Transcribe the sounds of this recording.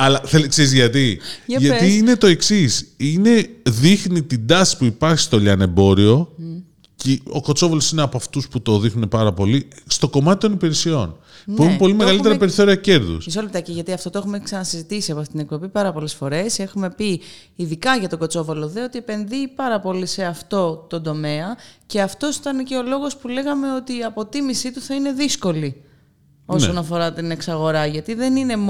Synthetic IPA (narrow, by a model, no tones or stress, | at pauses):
ɐlɐθelkseɾizʝɐt̪iʝɐt̪iine̞t̪o̞e̞ksisine̞ðixnit̪id̪ɐsi̥puipɐɾçi̥st̪o̞ʎɐne̞bo̞ɾio̞ | ceo̞̰ko̞t͡so̞volo̞sineɐpoɐft̪usput̪o̞ðixnune̞pɐɾɐpo̞list̪o̞ko̞mɐt̪it̪o̞nipiɾesio̞n | puexunpo̞limeɣɐlit̪eɾɐpeɾiθo̞ɾiɐce̞ɾðṵsisolipt̪ɐceʝɐt̪iɐft̪ooe̞xumeksɐnɐsizit̪isiɐpoft̪it̪inek̚po̞bipɐɾɐpo̞le̞sfo̞ɾe̞se̞xume̞pi | iðikɐʝɐt̪o̞ɡo̞t͡so̞vɐloðeo̞t̪ie̞pe̞nðipɐɾɐpo̞lise̞ɐft̪o̞t̪o̞nd̪o̞me̞ɐce̞ɐft̪o̞si̥t̪ɐneceo̞lo̞ɣo̞spule̞ɣɐme̞o̞t̪iɐpo̞t̪imisit̪uθɐine̞ðisko̞li | o̞so̞nɐfo̞ɾɐt̪ine̞ksɐɣo̞ɾɐʝɐt̪iðe̞nine̞m